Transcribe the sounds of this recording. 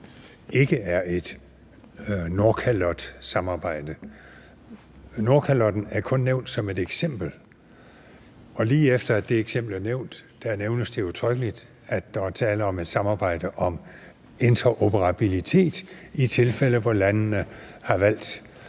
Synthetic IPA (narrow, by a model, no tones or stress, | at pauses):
e̝ɡ̥əæɐe̝d̥ | no̝ɐkʰælɒ̽d̥sɑ̈mɑ̈ːb̥ɑ̈ɪ̰d̥ə | no̝ɐkʰælɒ̽d̥n̩æɐkʰɔ̽nːeʊ̰nd̥sɒ̽me̝d̥eɡ̥sem̰b̥l̩ | ɒ̽liːefd̥ɐæd̥e̝eɡ̥sem̰b̥l̩æɐneʊ̰nd̥ːæneʊnəsd̥e̝ut͡sʰʁœɡ̥əlid̥ | æd̥ːɑæɐt͡sʰɛːləɒ̽me̝d̥sɑ̈mɑ̈ːb̥ɑ̈ɪ̰d̥əʔɒ̽m | e̝nt͡sʰɐʔo̝pʰəʁɑ̈b̥ilit͡sʰe̝̰ːd̥it͡sʰe̝lfel̰əʋɒlænnəhɑ̈ʋæl̰d̥